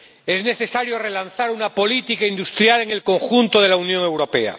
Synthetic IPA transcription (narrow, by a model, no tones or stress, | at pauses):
e̞zne̞θe̞saɾjo̞re̞lanθaɾunapo̞lit̪ikaind̪ust̪ɾjale̞ŋe̞lko̞ŋxunt̪oð̞e̞launjoŋe̞wɾo̞pe̞a̰